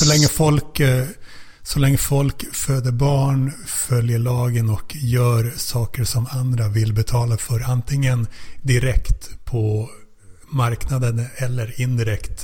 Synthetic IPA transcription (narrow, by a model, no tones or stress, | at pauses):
sɔlɛŋːəfɔlk | sɔlɛŋːəfɔlkføːd̪əɾbɑːɳ | fœljəɭɑːɡənɔkjœːɾsɑːkəɾʂɔmand̪ɾavɪlːbɛt̪ʰɑːlafœɾant̪ʰɪŋːənd̪ɪɾɛkt̪pʰɔ | maɾknad̪ənɛlːəɾɪnd̪ɪɾɛkt̪